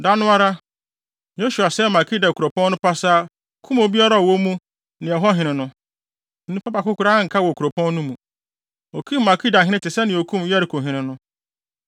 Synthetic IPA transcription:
da˦nʊ̃˦a˦ɾa˦ | jo˦su˨a˨sɛ˦˨ma˨kʰi˦da˨ku˨ɾo˨pʰɔ̃˦n˦ʊ̃˦pa˦saː˦˨ | kʰũ˦mo˨bi˦a˦ɾa˨o˨wo˦mũ˦ | nɪ̃˨ɛ˨ɦɔ˦ɦɪ̃˨nɪ̃˨nʊ̃˦ | n̩˨nĩ˦pʰa˦ba˨kʊ˦kʰu˨ɾa˦a˦ŋ̩˨kʰa˦wɔ˨kʰu˨ɾo˨pʰɔ̃˦nː˦ʊ̃˦mũ˨ | o˨kʰi˦m˦mã˨kʰi˦da˨ɦɪ̃˦nɪ̃˦tɪ˨sɛ˦nɪ̃˨o˨kʰũ˦m˦jɛ˦ɾi˨˦kʰo˨ɦɪ̃˨nɪ̃˨nʊ̃˦

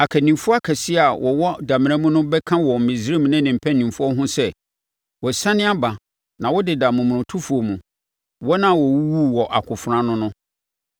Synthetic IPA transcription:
a˨kʰæ˨nĩ˨mfʊ˦a˦kʰɛ˨sɪ˦˨a˨wʔɔ˨wɔ˦da˨mɪ̃˨ɾ̃ã˦mũ˦nʊ̃˦bɛ˦kʰã˦wɔ˨m˨mĩ˨zɾi˦m̃˨nɛ̃˦nɪ̃˨m̩˨pʰɛ̃˦nĩ˨fʊ˦ɔ˦ɦʊ̃˦sɛ˦ | wɔ˨sã˦nɪ̃˦a˦ba˨ | nã˨wɔ˦dɪ˨da˨mʊ̃˨m˨ɾʊ̃˨tʰu˦fu˨o˨mũ˨ | wɔ˦nã˦˨wɔ˨˦wu˦wɔ˨ʔa̰˨kʰʷʊ˨fɾã˦nʊ̃˦nʊ̃˦

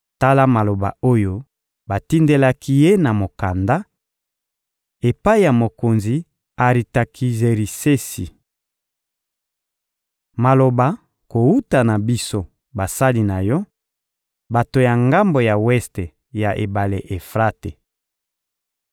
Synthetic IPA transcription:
ta˦la˦ma˨lo˨ba̰˨o˦jo˦ | ba˨ti˦nde˦la˦ki˦je˦na˨mo˨ka˨nda˦ | e˨pa˦i˦ja˨mo˨ko˨nzi˨ | a˨ʁi˨ta˨kʰi˦ze˨ʁi˨se˦si˨ | ma˨lo˨ba˨ | ko˨u˦ta˨na˨bi˦so˦ | ba˨sa˦li˦na˨jɔ˦ | ba˨to˨ja˨ŋɡa˦mbo˨ja˨wɛ˦ste˨ | ja˨ʔḛ˨ba˨lḛ˨ʔe˨fʁa˦te˨

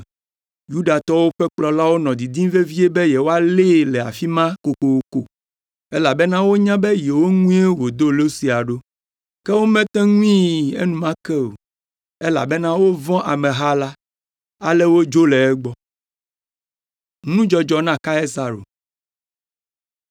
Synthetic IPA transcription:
ju˦ɖa˨t̪ɔ˦wo˦ɸɛ˦k͡plɔ˦la˦wo˦nɔ̃˨d̪i˨d̪ĩ˦ve˦vi˦e˦be˦jɛ˨wo˦a˦le˦˨lɛ˨a̰˨fi˦mã˦ko˨ko˨o˨ko̰˨ | e˦la˨bɛ˦nã˦wo˦ɲã˦bɛ˦je˨wo˦ŋũ˦e˦wo˨d̪o˦lo˦si˨a˨ɖo˦ | kɛ˦wo˦mɛ̃˦t̪ɛ̃˦ŋũ˦ĩ˦ḛ˦nũ˨mã˦kɛ˦o˨ | e˦la̰˨bɛ˦nã˦wo˦vɔ̃˦ʔa˨mɛ̃˨ɦa˦la˦ | a˨lɛ˦wo˦d͡ʒo˦lɛ˨ɛ˦ɡ͡bɔ˦ | nũ˦d͡ʒɔ˦d͡ʒɔ˦nã˦ka˦e˦sa˨ɾo̰˨

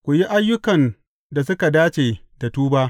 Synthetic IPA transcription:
kʷʊ˨ji˦ʔa˦jːʊ˦kɐ˨n | da˨s̬ʊ˦ka˨daː˦t͡ʃeː˨d̥a˨tuː˦baː˦ʔ

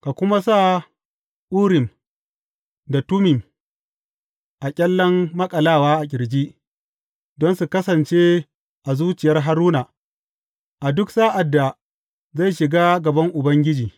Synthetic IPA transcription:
ka˨kʷʊ˦ma˦sa˦˨ | ʔʊː˦ɾɪ˨m | da˨tʊ˦mɪ˨m | ʔa˨kʲʼɛ˦lːɐ˦mːɐ˦kʼɐ˨laː˦˨waː˦ʔa˨kʲʼɪ˨ɾd͡ʒiː˦ | dɔ˦nsu˨kɐ˦sɐ˨nt͡ʃeː˦ | ʔa˨zuː˦t͡ʃɪ˨jɐ˦rɦa˦ɾuː˦naː˨ | ʔa˨dʊ˦ksaː˦ʔa˨dːa˨ | za˦˨jʃɪ˨ɡaː˦ɡɐ˨bɐ˦ŋʔʊ˨bɐ˦ŋɡʲɪ˦d͡ʒiː˨

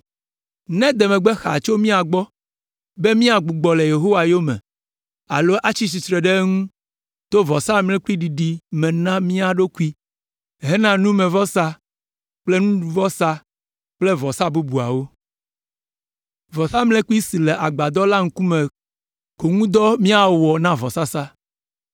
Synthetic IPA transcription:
nɛ̃˦d̪ɛ˨mɛ̃˨ɡ͡bɛ˦xa̰˨t͡ʃo˦mĩ˦a˨ɡ͡bɔ˦ | be˦mĩ˦a˨ɡ͡bu˨ɡ͡bɔ˨le˨je˨ɦo˦wa˨jo˦mɛ̰̃˨ | a̰˨lo˦ʔa˦t͡ɕi˦s̬i˨tɾɛ˨ɖe˦ŋũ˦ | t̪o˦vɔ˨sa˦mlɛ̃˦ku˦i˦ɖi˨ɖi˦mɛ̃˨nã˦mĩ˦a˨ɖo˦ku˦i˦ | ɦɛ˦nã˦nũ˦mɛ˨vɔ˦sa˦ | k͡ple˦nũ˦u˨vɔ˦sa˦ | k͡plɛ˦vɔ˨sa˦bu˦bu˨a̰˨wo˦ | vɔ˨θa˦mlɛ̃˦ki˦si˨le˨ʔa˨ɡ͡ba˨d̪ɔ˦la˦ŋ̩˦ku˦mẽ˨ | ko˨ŋũ˦d̪ɔ˦mĩ˦a˨wɔ˨nã˦vɔ˨sa˦sa˦

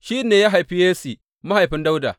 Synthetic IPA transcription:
ʃiː˦neː˨jaː˦ɦa˨jɸi˦jeː˦si˨ | ma˦ha˨jɸɪ˦nda˦wda̰ː˨

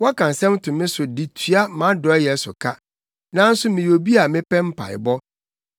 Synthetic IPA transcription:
wɔ˦a˦kʰã˨n˨sɛ̃˦m˦tʰʊ̃˨mɪ̃˦sʊ˨di˨tʰɥa˦mã˨˦dɔ˨˦ɛ˦jɛ˨˦sʊ̰˨kʰa˦ | nã˦n̩˦sʊ˦mɪ̃˨jo˨bi˦a˨mɪ̃˦pɛ̃˦m̩˦pʰa̰˨ɪ̰˨bɔ˦

